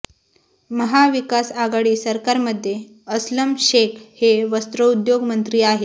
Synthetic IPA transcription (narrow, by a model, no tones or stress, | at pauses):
məɦaʋikasaɡaɽiːsəɾkaɾməd̪ʱːje | əsləmɕekʰheʋəst̪ɾəud̪joɡmənt̪ɾiːaɦe